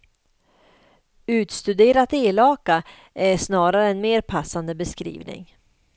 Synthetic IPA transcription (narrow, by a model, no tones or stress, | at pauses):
ʉ̟ːt̪st̪ɵd̪eːɾat̪eːlɑːka | ʔæɾʂnɑːɾaɾəɛnmeːɾpʰasːand̪əbɛskɾḭːvnɪ̰ŋ